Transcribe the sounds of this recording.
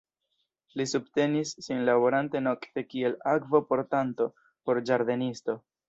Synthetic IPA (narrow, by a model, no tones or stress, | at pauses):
lisubte̞nisːinlabo̞ɾante̞no̞kte̞kie̞lakvopo̞ɾtanto̞ | po̞ɾd͡ʒaɾde̞nisto̞